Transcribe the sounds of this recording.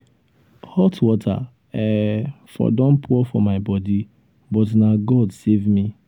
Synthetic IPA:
hɔtwɔtʰa̰ | ɛ | fɔ̰dɔ̃npʰuɔfɔmaɪbɔdi | bɔtnaɡɔdsevmi

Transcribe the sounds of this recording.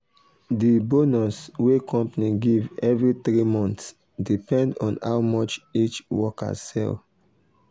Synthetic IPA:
dibonɔswekʰɔ̃mpaniɡivɛvɹitɹimɔ̃nts | dipɛ̃ndɔ̃na̰wmɔt͡ʃit͡ʃwɔka̰sɛ̰l

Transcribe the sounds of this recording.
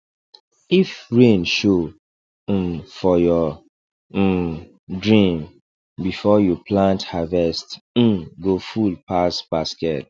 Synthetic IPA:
ifɹẽnʃo | fɔjɔ | dɹĩm | bifɔjupʰlãnthavɛstm̩ɡofulpasb̥askɛt̚

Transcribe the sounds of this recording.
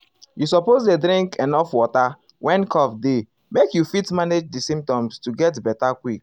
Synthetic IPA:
jus̬ɔpozledɾĩŋkɛ̃nɔfwɔta | wʔɛ̃nkʰɔfde | mekjufitmaned͡ʒdisĩmp̚tɔ̃mstuɡɛtbɛtakwik

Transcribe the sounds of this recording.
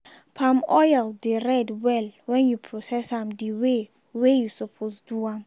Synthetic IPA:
pʰãmɔjaldeɹɛdwɛlwɛ̃njupʰɹɔsɛsãmdiwe | wejusɔpʰosduãm

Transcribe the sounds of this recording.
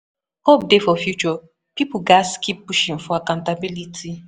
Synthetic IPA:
hop̚defɔfjut͡ʃɔ | pipʊɡaskip̚buʃĩɱ̩fʊakaʊ̃ntabilitʰi

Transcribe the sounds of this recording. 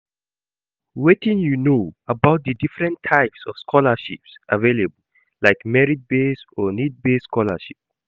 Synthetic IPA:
wetĩnjunoəbaʊt̚dədifɹɛ̃ntʰːaɪpsɔfskʰɔləʃḭpsʔavelebəl̩ | laɪkmɛɹid̚besɔnit̚besːkʰɔlə̰ʃip̚

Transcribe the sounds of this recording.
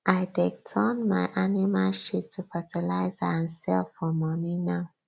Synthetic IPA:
ʔaɪdɛk̚tʰɔnmaɪʔanimalʃip̚tʰufatʰəlaɪzaãnsɛlfɔmɔninaʊ

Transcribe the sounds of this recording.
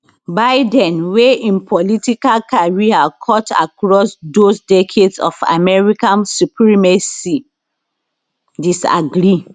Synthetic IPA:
baɪdɛ̃nweĩnpʰɔlitikalkaɹiakʰɔta̰kɹɔsdosdɛkʰedsɔ̰fa̰mɛɹikãnsupɹimɛsi | disa̰ɡɾi

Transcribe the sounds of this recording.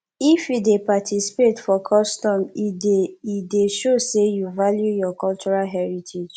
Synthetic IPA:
ifjudepatʰisi̥petfɔkʰɔstɔ̃miideʃosejuvaljujɔkɔlt͡ʃuɹalɦɛɹitʰid͡ʒ

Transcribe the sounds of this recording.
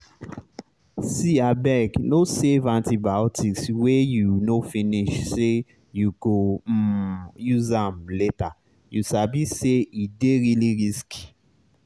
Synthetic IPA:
siabɛɡnosevãntibaʊtʰiswejunofĩniʃse | juɡo | juzãmleta | juʃabiseideɹiliɹisk

